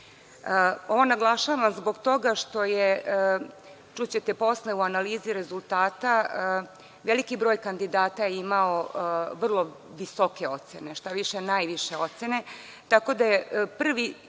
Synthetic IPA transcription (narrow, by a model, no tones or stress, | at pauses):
o̞ʋonaɡlˠaʃaːʋamzbo̞ɡt̪o̞ɡaʃt̪o̞je | t͡ʃut͡ɕe̞t̪epo̞sleuanaliːziɾe̞zulˠt̪aːt̪a | ʋelikibɾo̞ːjkand̪id̪aːt̪ajeimaoʋr̩lˠo̞ | ʋiso̞ke̞o̞t̪sene̞ʃt̪aʋiʃenaːjʋiʃe̞o̞t̪sene̞ | t̪ako̞d̪ajepr̩ʋi